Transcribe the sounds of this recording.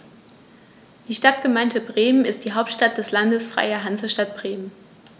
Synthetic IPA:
d̥iːʃtat̚ɡ̥əmaɪntʰəbʁeːmənɪst̚d̥iːɦaʊp̚tʃtat̚d̥ɛslandəsfʁ̥a̰ɪɐɦanzəʃtat̚b̥ʁeːmən

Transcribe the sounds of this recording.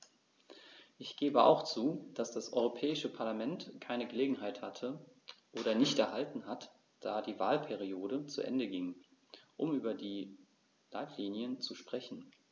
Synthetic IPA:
ʔɪçɡ̥eːbəʔa̰ʊxt͡suːd̥asd̥asʔɔ̰ʏʁopʰɛːɪʃəpʰaɐlamɛntkʰaɪnəɡəleːɡŋ̩ɦaɪthatʰə | ʔoːɾɐnɪçtɛɐɦaltn̩ɦat | d̥aːdiːvaːlpʰɛʁioːɾət͡sṵʔɛ̰ndəɡɪŋʔʊmyːbɐdiː | laɪtʰliːnjənt͡suʃpʁ̥ɛçn̩

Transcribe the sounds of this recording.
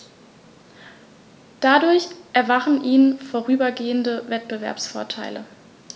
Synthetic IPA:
d̥adʊɐçʔɛɐvaχn̩ʔiːnfoːʁ̞yːbɐɡeːəndəvɛt̚b̥əvɛ̰ɐpsfoːɐtʰaɪlə̰

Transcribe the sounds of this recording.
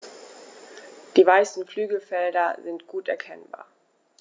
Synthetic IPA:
d̥iːvaɪsn̩kl̥yːɡəfɛldɐzɪntɡ̥uːtɛɐkʰɛ̰nba̰ːɐ

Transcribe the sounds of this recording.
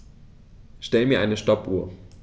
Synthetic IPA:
ʃtɛləmiːɐʔaɪnəʃtɔpʔuːɐ

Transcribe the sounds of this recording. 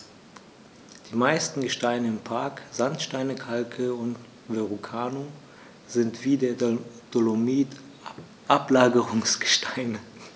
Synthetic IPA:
d̥iːmaɪstn̩ɡəʃtaɪnəɪmpʰaɐkz̥antʃtaɪnəkʰalkʰəʊnt | veʁukʰaːno | zɪntv̥iːdeːɐ | d̥olomiːt | ʔaplaːɡəʁʊŋsɡ̥ə̥ʃtʰaɪnə

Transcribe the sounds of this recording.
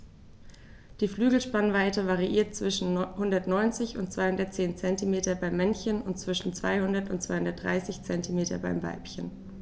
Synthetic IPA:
d̥iːflyːɡl̩ʃpanvaɪtəvaʁiʔiːɐtt͡sv̥ɪʃn̩hʊndɐtnɔʏnt͡sɪçʊntt͡sv̥aɪhʊndɐtt͡seːnt͡sɛntimeːtɐbaɪmːɛnçənʊntt͡sv̥ɪʃn̩t͡sv̥a̰ɪhʊndɐtʊ̰ntt͡sv̥aɪhʊndɐt̚d̥ʁa̰ɪsɪçt͡sɛntimeːtɐba̰ɪmva̰ɪpçən

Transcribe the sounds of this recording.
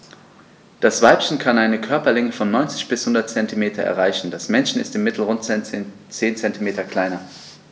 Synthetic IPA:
d̥asv̥aɪpçn̩kʰanaɪnəkʰœɐpɐlɪŋəfɔnːɔʏnt͡sɪ̥çb̥ɪshʊndɐt̚t͡sɛntimeːtʰɐʔɛ̰ɐʁaɪçn̩dasmɛnʃn̩ɪ̰stɪmːɪtl̩ʁʊntt͡seːnt͡sɛntimeːtɐkl̥aɪnɐ

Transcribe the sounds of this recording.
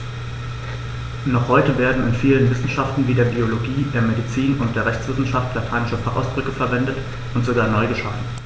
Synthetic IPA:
nɔχhɔʏtəveːɐdn̩ɪnfiːlənvɪsn̩ʃaftn̩viːdeːɐbioloɡiːdeːɐmedit͡siːnʊntd̥eːɐʁɛçt͡sv̥ɪsn̩ʃaftʰlatʰaːnɪʃəfaχʔa̰ʊsb̥ʁʏkəfɛɐvɛndət | ʔʊntz̥oɡaːɐnɔʏɡəʃaːdn̩

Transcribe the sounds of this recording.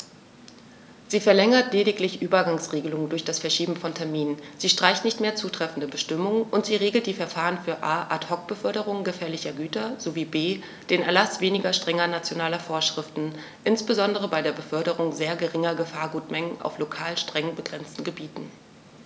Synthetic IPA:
z̥iːfɛɐlɛŋɐtleːɾɪklɪçʔyːbɐɡaŋsʁeːɡəlʊŋəndʊɐçd̥asfɛɐʃiːbm̩fɔntʰɛɐmiːnənz̥iːʃtʁ̥aɪçtnɪçtmeːɐt͡suːtʁ̥ɛfn̩dəbəʃtɪmʊŋənʔʊntz̥iːʁeːɡl̩td̥iːfɛɐfaːʁənfyːɐʔaːʔathɔk̚b̥əfœɐɾəʁ̞ʊŋənɡəfɛːɐlɪçɐɡyːtɐz̥oviːbeː | d̥eːnɛɐlasv̥eːnɪɡɐʃtʁ̥ɛŋɐnat͡sjonaːlɐfoːɐʃʁ̥ɪftn̩ | ʔɪnsb̥əzɔndəʁ̞əbaɪɾeːɐbəfœɐɾəʁʊŋzeːɐɡəʁɪŋɐɡəfaːɐɡuːtmɛŋəna̰ʊflokʰaːlʃtʁ̥ɛŋənbəɡʁɛnt͡stn̩ɡəbiːtn̩

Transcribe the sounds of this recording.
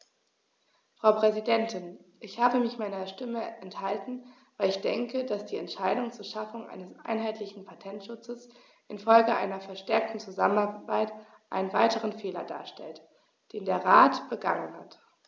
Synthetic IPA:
fʁ̥aʊpʁ̥ɛzidɛntʰɪnʔɪçhaːbəmɪçmaɪnɐʃtɪməʔɛnthaltn̩ | vaɪlɪçd̥ɛŋkədasd̥iːɛntʃaɪdʊŋt͡suːɐʃafʊŋʔa̰ɪnəsʔa̰ɪnɦaɪtʰlɪçn̩pʰatʰɛntʃʊt͡səs | ʔɪnfɔlɡəʔa̰ɪnɐfɛɐʃtɛɐk̚tn̩t͡suzamənabaɪt | ʔa̰ɪnənvaɪtəʁ̞ənfeːlɐda̰ːɐʃtɛ̰lt | d̥eːndeːɐʁaːtb̥əɡa̰ŋənha̰t

